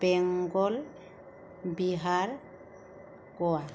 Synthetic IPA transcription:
bɛŋɡɔl | biɦaɾ | kɔwa

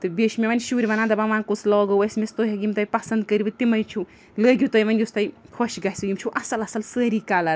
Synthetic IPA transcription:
t̪ɨbeʃmʲeʋɐnʲʃuːɾʲiʋɐnaːnd̪ɐbɐʋaːnkut͡sʰlɔːɡowɐsʲmest̪oɦɐɡimt̪ɐjpɐsɐnd̪̚kəɾibɨt̪imɐjt͡ʃʰu | ləːɡʲit̪ɐjʋɐnʲjust̪ɐjhʰoʃɡɐsɨɡimt͡ʃʰuʔɐsɐlɐsɐlsəːɾiːkaːlɐɾ

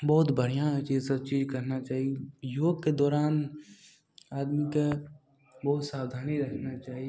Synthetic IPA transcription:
bɔːʊt̪bʱəɾijãt͡ʃisɐbt͡ʃiːd͡ʒkɐɾnat͡ʃaːɦiejoːɡ̚ked̪ɔːɾaːn | aːd̪mike | bɔːʊt̪saːwd̪ʱaːniɾɐkʰnat͡ʃaːɦie

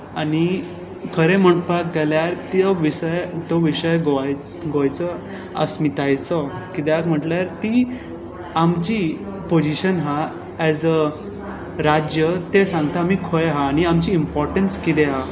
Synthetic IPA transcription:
añi | kʰəɾem̤əʈpak̚ɡeljaɾt̪iɔʋisəjt̪ɔʋiɕəjɡoaj | ɡojt͡sə | ə̰smit̪ajt͡sɔkit̪eakm̤əʈljaɾt̪i | amt͡ɕipod͡ʑiɕənɦa | ɛzə | ɾad͡ʑjət̪esãŋɡt̪aːmiːkʰojɦaːñiamt͡ɕiːmpɔɾʈənskit̪eɦa

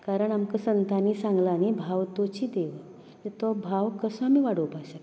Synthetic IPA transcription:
kaɾəɳamkəsənt̪ʰanisãŋɡlaːnibʱaʋt̪ot͡ɕiːd̪eʋə | et̪obʱaʋkəsõamiːʋaɽəpaɕa

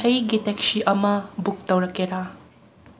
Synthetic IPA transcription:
ɐjɡitɛksiʔɐmɐbuk̚tɐwɾɐkːeɾa

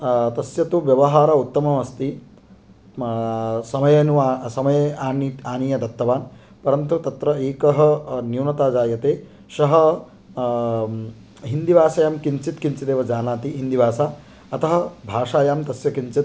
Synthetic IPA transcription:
t̪ɐsjɐt̪uʋjɐʋɐɦaːɾɐut̪ːɐmɐʋɐst̪i | sɐmɐjɐnuasɐmɐjɐaːniaːnijɐd̪ɐt̪ːɐʋaːn | pɐɾɐnt̪ut̪ɐt̪ɾɐeːkɐɦɐ̆njuwnɐt̪aːd͡ʒaːjɐt̪eː | ʃɐɦɐ̆ | ɦind̪iʋaːsɐjaːmkint͡ʃit̪kint͡ʃit̪eːʋɐd͡ʒaːnaːt̪iɦind̪iʋaːsa | ɐt̪ɐɦɐ̆bʱaːʂaːjaːmt̪ɐsjɐkint͡ʃit̪

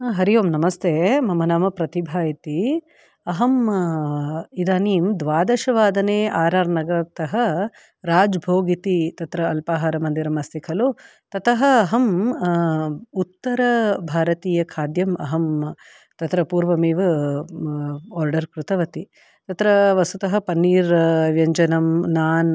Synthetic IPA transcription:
ɦɐɾijoːmnɐmɐst̪ʰeːmɐmɐnaːmɐpɾɐt̪ibʱaːjit̪i | ɐɦɐm | id̪aːniːmd̪ʋaːd̪ɐʃɐʋaːd̪ɐneːʔaːɾaːɾnɐɡɐɾɐt̪ɐɦɐ | ɾaːd͡ʒbʱoːɡit̪it̪ɐt̪ɾɐːlpaːɦaɾɐmɐnd̪iɾɐmɐst̪ikʰɐlo | t̪ɐt̪ɐɦɐːɦɐm | ut̪ːɐɾɐbʱaːɾɐt̪iːjɐkʰaːd̪jɐmɐ̰ɦɐm | t̪ɐt̪ɾɐpuːɾʋɐmiːʋɐ | aːɾɖɐɾkɾut̪ɐʋɐt̪i | t̪ɐt̪ɾɐʋɐsut̪ɐɦɐ̆pɐnːiːɾʋjɐɲd͡ʒɐnɐmnaːn

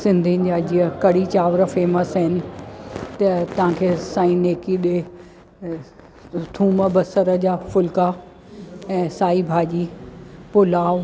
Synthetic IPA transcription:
sɪ̃nd̪ʱin̆d͡ʑaːd͡ʑiəkɐɽit͡ɕaːʋɾəfeːməsɦɪnɪ̆t̪ɐt̪ɐʋ̤ãkʰeːsãːĩneːkiɗe | t̪ʰũːməbɐsəɾə̆d͡ʑaːfʊlka | ɛ̃ːsaːibʱaːd͡ʑiːpʊlaːʋ

